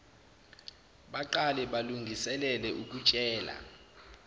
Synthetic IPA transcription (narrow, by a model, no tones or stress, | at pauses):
ɓaǃalɛɓaluŋɡʱisɛlɛlɛʔuk̬ʼut͡ʃʼɛːla̰